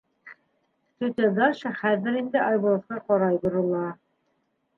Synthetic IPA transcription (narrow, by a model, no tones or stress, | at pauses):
t̪ɵt̪ʲed̪ɑʃɑχæðɘɾind̪ɘʔɑjbŏlˠot̪qɑqɒɾɑjbŏɾulˠɑ